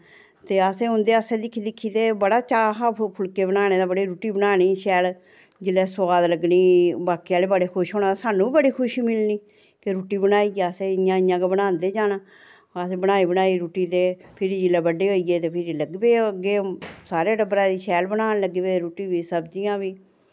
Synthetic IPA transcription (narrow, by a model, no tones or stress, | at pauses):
t̪eːəsẽːʊnd̪eːəsẽːd̪ɪkʰːiːd̪ɪkʰːiːt̪eːbəɽaːt͡ʃaːɦapʰʊlkeːbənaːneːd̪aːbəɽeːɾuːʈiːbənaːniːʃɛːl | d͡ʒɪlːɛːsaːd̪ləɡniːbaːkiːaːleːbəɽeːkʰʊʃɦoːnaːasaːnːũːiːbəɽiːkʰʊʃiːmɪlniː | keɾuːʈiːbənaːiːɡəseːɪjãːɪãːkebənãːnd̪eːd͡ʒaːnaː | əsẽːbənaːiːbənaːiːɾuːʈiːt̪eːpʰɪɾid͡ʒɪlɛːbəɖeːɦoːiːɡeːt̪eːpʰɪɾiləɡbeːəɡeːsaːɾeːɖəbɾaːd̪iːʃɛːlbənaːnləɡːbeːɾuːʈiːʋiːsəbd͡ʒijãːʋiː